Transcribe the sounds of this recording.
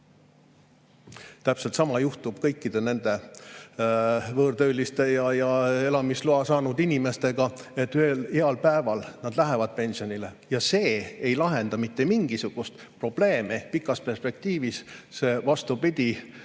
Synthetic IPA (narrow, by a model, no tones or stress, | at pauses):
t̪æpselt̪sɑmɑjuht̪ub̥kɤjkːid̪̥e̞ne̞nd̪̥e̞ | vɤːɾd̪øylʲist̪e̞jɑjɑe̞lɑmisluɑsɑːnud̪inʲime̞st̪e̞ɡ̥ɑet̪ːˑyeleɑlpæevɑlnɑd̪̥læɦevɑd̪̥̚pe̞nʲsio̞nilejɑse̞ːjlɑɦe̞nd̪̥ɑmit̪ːe̞miŋɡ̥isuɡ̥ust̪ | pro̞b̥le̞ːmipikːˑɑspe̞rspe̞k̚t̪iːvisse̞ːvɑst̪upid̪̥ʲi